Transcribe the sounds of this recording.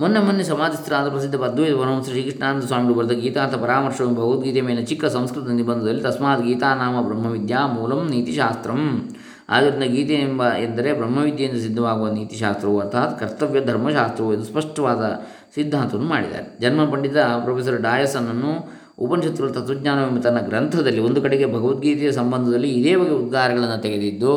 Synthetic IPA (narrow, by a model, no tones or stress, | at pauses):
monːemɐnːesɐmaːd̪ist̪ɾaːd̪ɐpɾɐsid̪ʱːɐpɐd̪ʱːujt̪ɐpɐɾmɐmsɾɐʃiːkiʂɳaːnt̪ɐsʋaːmiɡɐɭubɐɾud̪ɐɡiːt̪aːnt̪ʰɐpɐɾaːmɐɾʂɐʋɐmbʱɐɡuːt̪ɡiːt̪eːmeːlɐt͡ʃikːɐsɐmskɾit̪id̪ɐnd̪ibɐnd̪ɐd̪ɐlːit̪ɐsmaːt̪ɡiːt̪aːnaːmɐbɾɐmːɐʋid̪jaːmuːlɐmniːt̪iʃaːst̪ɾɐm | a̰ːd̪ɐɾind̪ɐɡiːt̪embɐend̪ɐɾebɾɐmːɐʋid̪jɐjind̪ɐs̬id̪ʱːɐʋaːɡuʋɐniːt̪iʃaːst̪ɾɐʋuɐɾt̪ʰaːt̪kɐɾt̪ɐʋjɐd̪ʱɐɾmɐʃaːst̪ɾɐʋuɐd̪uspɐʂʈɐʋaːd̪ɐ | sid̪ʱːaːnt̪ɐʋɐnːuma̰ːɽid̪a̰ːɾed͡ʒɐnmɐnpɐɳɖit̪ɐpɾɐpʰeːs̬ɐɾɖaːjɐsɐnːɐnːu | upɐnʃɐt̪ɾulɐt̪ɐt̪ʋud͡ʒɲaːnɐʋemɐt̪ɐnːɐɡɾɐnt̪ʰɐd̪ɐlːiond̪ukɐɽeɡe̞bʱɐɡɐʋɐt̪̚ɡiːt̪ɛjɐsɐmbɐnd̪ʱɐd̪ɐlːiːd̪eːbɐɡeud̪̚ɡaːɾɐɡɐɭɐnːut̪eɡed̪id̪ːu